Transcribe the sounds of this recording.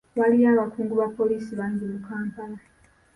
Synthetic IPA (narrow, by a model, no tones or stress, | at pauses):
βalijaːβakuːŋɡuβapːo̞liːsiβaːɲɟimukaːmpala